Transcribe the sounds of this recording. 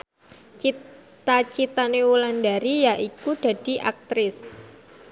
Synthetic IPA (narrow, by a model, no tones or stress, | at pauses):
t͡ʃit̪at͡ʃit̪anewulandaɾijaʔikuɖ̥a̤d̥i̤ʔak̚t̪ɾɪs